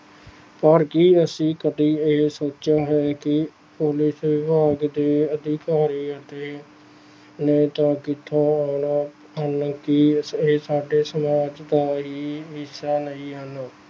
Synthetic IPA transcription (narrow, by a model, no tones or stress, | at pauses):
pəɾkiəsĩːkəd̪iːɪɦsoːt͡ʃaːɦɛːkɪ | pʊlɪsʋɪbʱaːɡd̪eːəd̪ʱɪkaːɾiːət̪eː | nẽːt̪ãːkɪt̪ʰːõːaːnaː | ɦənkɪeːsaːɖeːsəmaːd͡ʒd̪aːɦiːʋɪsaːnəĩːɦən